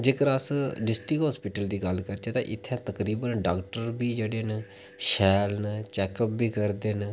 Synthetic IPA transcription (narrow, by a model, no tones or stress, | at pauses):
d͡ʒeːkəɾasɖɪsʈɾɪkɦɔːspɪʈəld̪iːɡəlkəɾt͡ʃʰeːt̪ã̰ːʔɪt̪ʰːjãːt̪əkɾiːbənɖaːkʈəɾbiːd͡ʒeːɽeːnə | ʃɛːlnət͡ʃɛːkəp̚biːkəɾd̪eːn